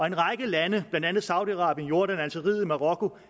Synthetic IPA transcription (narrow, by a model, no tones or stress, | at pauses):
ɒ̽e̝nʁɑ̈ɪɡ̥əlænəb̥lænd̥ænð̩ˠsɑ̈ʊd̥iɑ̈ʁɑ̰̈ːb̥jənjo̝ɐɾ̥ænænsʰeʁið̰ˠimɑ̈ʁɒ̽kʰo̝